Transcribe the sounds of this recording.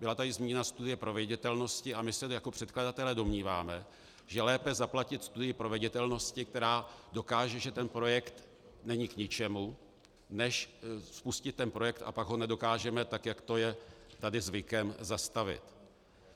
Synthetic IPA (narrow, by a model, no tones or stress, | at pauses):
bɪlat̪adɪzmiːɲɛnast̪udɪjɛpɾo̞vɪɟɛt̪ɛlno̞scɪamɪsɛjakopr̥ɛt̪kladat̪ɛlɛdo̞mɲiːvaːmɛ | ʒɛlɛːpɛzaplacɪt̪st̪udɪjɪpɾovɛɟɛt̪ɛlno̞scɪk̚t̪ɛɾaːdo̞kaːʒɛʒɛt̪ɛnpɾo̞jɛkt̪ | nɛɲɪkɲɪt͡ʃɛmu | nɛʃspuscɪt̪ːɛnpɾo̞jɛk̚t̪a̰paɡɦo̞nɛdo̞kaːʒɛmɛt̪akjakt̪o̞jɛt̪adɪzvɪkɛmzast̪avɪ̰t̪